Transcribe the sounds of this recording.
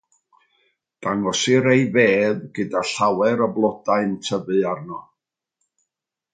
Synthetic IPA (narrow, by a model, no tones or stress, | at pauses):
d̥aŋɔsɨɾejveːðɡɨdaɬawɛɾəblˠɔdaɨntʰəvɨarnɔ